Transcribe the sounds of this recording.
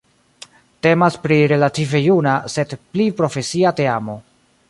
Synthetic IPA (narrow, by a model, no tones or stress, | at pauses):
te̞maspɾiɾe̞lative̞junase̞dplipɾo̞fe̞siate̞amo̞